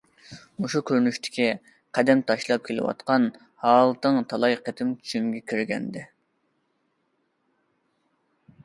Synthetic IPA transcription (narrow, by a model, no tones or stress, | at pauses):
uʃukʲʰøɾnyʃt̪ʰɪ̥kʲi | qʰɛd̪ɛmt̪ʰɑʃlˠɑp̚kʲʰelɪ̰wɑ̰t̪qɑn | hɑːlˠt̪ɨŋt̪ʰɑlˠɑjqʰet̪ʰɪmt͡ʃʰy̥t͡ʃʰymɡʲɛkʲʰiɾɡʲɛ̰nd̪ɪ